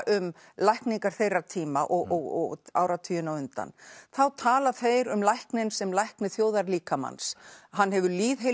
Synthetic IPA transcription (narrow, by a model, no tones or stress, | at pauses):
ʔʏm | lajhkniŋkaɾ̥θejrːat̪ʰiːma̰ʔɔɣɔɣɔ̰ɣa̰ːwɾat̪ʰiːjʏnawʏnt̪a̰nθawt̪ʰaːlaθejɾʏmlajhknɪnsɛmlajhknʏθjoːwðaɾliːkama̰nsɦanːɦɛvʏliːðɦe